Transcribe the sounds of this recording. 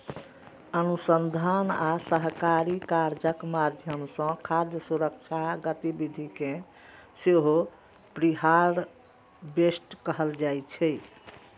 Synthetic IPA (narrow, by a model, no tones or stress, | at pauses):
ənusənd̪ʱanasəɦkaɾikaɾd͡ʒəkmad̪ʱjəmsə̃kʰaɾd̪jəsuɾək̚t͡ʃʰaɡət̪ibid̪ʱikẽ | seɦo | pɾiɦaɾ | besʈkəɦəld͡ʒajt͡ʃʰɛ